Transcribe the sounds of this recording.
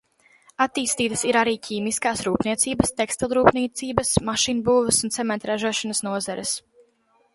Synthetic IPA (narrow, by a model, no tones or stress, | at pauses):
at̪iːst̪iːt̪ə̥siɾaɾiːcʰiːmiskaːsɾuːpniɛt̪siːbɐst̪ɛkst̪ilʲˠɾuːpnit̪siːbɐsmaʃinbuːvəsunt̪sɛmɛnt̪ɾaʒuɔʃanɐsnuɔzaɾɛs